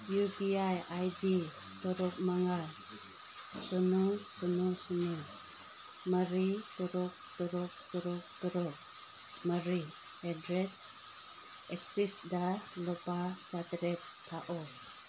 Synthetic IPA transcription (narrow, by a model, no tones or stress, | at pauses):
jupiajajdi | tɔɾɔk̚maŋal | sɔnusunusuni | maɾituɾɔk̚tuɾɔk̚tuɾɔk̚t̪uɾɔk̚ | maɾi | edɾet̚ | ɛksisdalɔpat͡ʃatɾɛtːʰaʔɔ